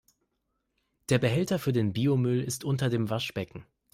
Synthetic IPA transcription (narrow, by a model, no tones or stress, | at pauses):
d̥eːɐbəɦɛltɐfyːɐdeːnbiːomʏlɪstʔʊntɐdeːmvaʃb̥ɛkŋ̩